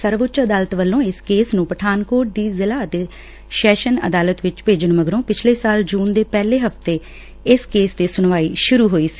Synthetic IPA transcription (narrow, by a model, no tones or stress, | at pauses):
səɾʋʊt͡ʃəd̪aːlət̪ʋəlːõːɪskeːsnũːpəʈʰaːnkoːʈ̚d̪iːzɪlaːət̪eː | ʃɛːʃənə̰d̪aːlət̪ʋɪt͡ʃpeːd͡ʒəɳməɡɾõːpɪt͡ʃʰleːsaːld͡ʒuːnd̪eːpɛːleːɦəft̪eː | ɪskeːsd̪eːsʊnʋaːiːʃʊɾuːɦoːiːsi̥ː